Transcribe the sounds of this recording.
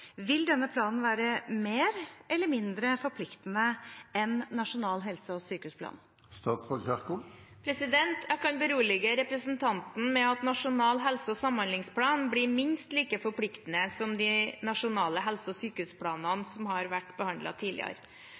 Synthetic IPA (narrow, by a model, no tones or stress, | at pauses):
ʋɪld̪ɛnːəpʰlɑːnn̩ʋæːɾəmeːɾʔɛlːəɾmɪnd̪ɾəfɔɾpʰlɪkt̪nəɛnːɑʂʊnɑːlɦɛlsəɔsyːkəʉːspʰlɑ̰ːn | st̪ɑːt̪sfɔlkæʁkʊpʰɾɛsɪd̪ɛnt̪ʰjækʰɑnbəɾuːəɭɛɡəɾɛpɾəsənt̪ʰɑnt̪n̩mɛɑt̪nɑʂʊnɑːlɦɛlsəɔsɑmhɑnlɪŋspʰlɑːnbliɾmɪnst̪liːkəfɔɾpʰlɪkt̪ənəsɔmd̪ɪnɑʂʊnɑːləɦɛlsəɔsyːkəʉːspʰlɑːnɑnsɔmɦɑɾʋæʈːbəhɑnd̪lɑ̰t̪ʰiːlɪ̰ə̰ɾ